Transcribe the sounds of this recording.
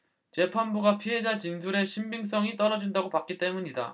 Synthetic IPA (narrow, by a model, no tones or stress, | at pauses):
t͡ɕe̞pʰanbuɡapʰiɦe̞d͡ʑat͡ɕins̬ʰuɾe̞ɕʰimbiŋs͈ʌŋit͈ʌɾʌd͡ʑindaɡopak͈it͈e̞muɲida̰